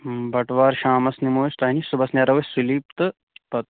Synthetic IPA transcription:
bɐʈʋaːɾʃaːmɐsnimoːst̪ɐːɦinisubɐsnɐɾɐʋɐsuliːpt̪ɨ | pɐt̪̚

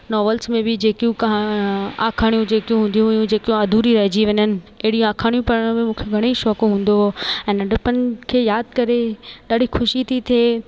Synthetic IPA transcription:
nɔːʋəlsmẽbɪd͡ʑeːkijũkɐɦaaːkʰaːɽ̃ijũd͡ʑeːkijũɦũːnd̪ijũɦɐjũd͡ʑeːkijũɐd̪ʱuːɾiɾɐɦɪd͡ʑiʋɐɲənɪ̆ɐɦɪɽijũaːkʰaːɽ̃ijũpɐɽəɽ̃mẽmũːkʰeɡʱɐɽ̃eʃɔːkɦũːn̆d̪oɛ̃ːnɐɖəpənɪ̆kʰeːjaːd̪̚kɐɾeɗaːɖʱixʊʃit̪ʰit̪ʰeː

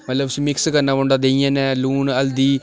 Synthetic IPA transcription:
mət̪ləbsĩːmɪkskəɾnaːbõɳɖaːd̪eːijãːnɛ̃ːluːnəld̪iː

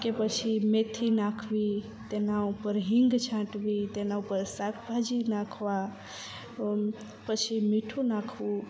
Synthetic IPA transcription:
kepət͡ʃʰimet̪ʰinãkʰʋi | t̪enaupəɾɦĩŋɡt͡ʃʰãʈʋit̪enaupəɾsakʰbʱad͡ʒinãkʰʋa | pət͡ʃʰimiʈʰunakʰũ

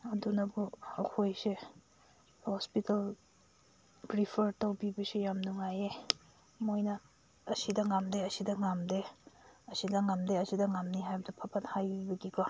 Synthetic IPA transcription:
ɐdunɐbuɐkʰojse | hospital | bɾipʰɐɾtɐwbibɐsijamnuŋaje | mojnɐ | ɐsidɐŋamdeɐsidɐŋamdeɐsidɐŋamdeɐsidɐŋamniɦajbɐdɐpʰɐpʰɐt̚hajbibɐɡikɔ

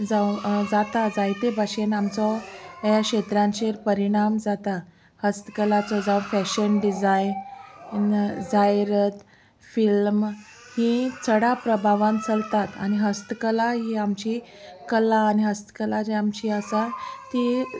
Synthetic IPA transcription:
d͡zawd͡zat̪ad͡zajt̪ebʱaɕenamt͡sɔjakɕet̪ɾãnt͡ɕeɾpəɾiɽ̃amd͡zat̪a | həst̪kəlat͡sɔd͡zawfɛɕənɖid͡zajnnd͡zajɾət̪ | film | hit͡sʰəɽapɾəbʱaʋãnt͡səlt̪at̪a̰ɽ̃iɦəst̪kəlaɦiːamt͡ɕi | kəlaːñiɦəst̪ə̥kəlad͡ʑeamt͡ɕiəsat̪i

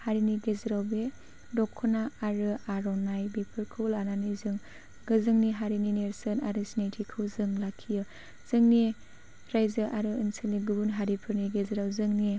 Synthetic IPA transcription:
haɾiniɡezɾawbe | dɔkʰːɔnaaɾɯaɾɔnajbepʰɯɾkʰɯlananizɯŋ | ɡɯzɯŋniɦaɾinineɾsɯnaɾɯsinajtʰikʰɯwzɯŋlakʰːijɯ | z̥ɯŋni | ɾajzɯʔaɾɯɯnseliɡubunɦaɾipʰɯɾniɡezɾawzɯŋni

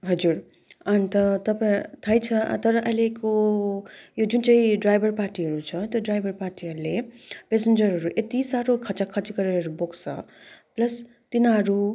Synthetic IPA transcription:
ɦʌd͡ʒuɾ | ʌnt̪ʌt̪ʌpãẽt̪ʰʌjt͡sʰʌ̰t̪ʌɾʌʔʌjleko | jod͡zunt͡saĩɖɾajbʱʌrpaɾʈiɦʌɾut͡sʰʌt̪oɖajbʱʌɾpaɾʈiɦʌɾulepesend͡ʒʌɾɦʌɾuʔet̪isaɾokʰʌt͡sakʰʌt͡ʃikʌɾeʌɾuboksʰʌ̰plʌs | t̪inaɾu

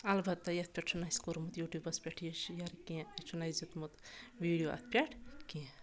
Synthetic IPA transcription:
ɐlbɐt̪ːɐjɐt̪̚ʰpʲaʈ̚t͡ʃʰunajskoɾmut̪juːʈjuːbɐspʲaʈʰjiʃjɐɾkẽt͡ʃʰunajzut̪mut̪ʋiːɽijoʔɐ̰t̪ʰpʲaʈʰkĩ

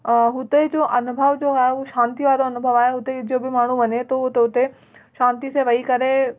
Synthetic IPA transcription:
ɦʊt̪ed͡ʑoːʔɐnʊbʱəʋd͡ʑoːaːɦeʊʃãːnt̪iʋaːɾoɐnʊbʱəʋaːeɦʊt̪ed͡ʑiobɪmaːɳ̤uʋɐɲet̪ot̪eɦʊt̪e | ʃãːnt̪isẽʋɐikɐɾe

